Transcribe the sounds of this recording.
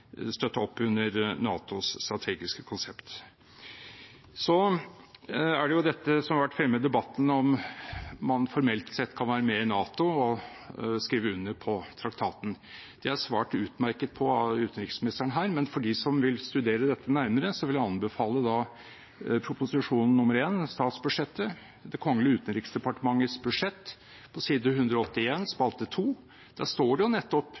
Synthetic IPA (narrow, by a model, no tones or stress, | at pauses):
st̪œt̪ːəɔpːʉnːəɾnɑ̰ːt̪ʊsst̪ɾɑt̪ʰeːɡɪskə̥kʰʊnsɛpt̪ | sɔ | æɖɛjʊd̪ɛt̪ːəsɔmɑɾʋæʈːfɾɛmːəd̪ɛbɑt̪ːən̩ɔm | mɑnfɔɾmɛlt̪sɛt̪ːkʰɑnʋæːɾəmɛɪnɑːt̪ʊɔ | skɾiːʋəʉnːəpʰɔt̪ʰɾɑkt̪ʰɑːt̪n̩ | d̪̥ɛæʂʋæːʈʉːt̪mæɾkət̪̚pʰɔʉːt̪ən̩ɾɪksmɪnɪst̪əɳəɦæːɾmɛnfɔɖisɔmʋɪlst̪ʉd̪eːɾəd̪ɛt̪ːənæɾməɾəsɔʋɪljɑɑnbəfɑːləd̪ɑː | pʰɾʊpʊsɪʂuːnn̩ːʊməɾeːnst̪ɑːt̪sbʉʂɛt̪ːə | d̪ɛkʰɔŋːəlɪəʉːt̪ən̩ɾɪksd̪ɛpɑʈəmɑŋːət̪sbʉd̪ʂɛt̪ː | pʰɔsiːd̪əhʉnd̪ɾɔɔt̪ːɪeːnspɑlt̪ət̪ʰuː | d̪̥æʂt̪oːɖɛjʊnɛt̪ːɔp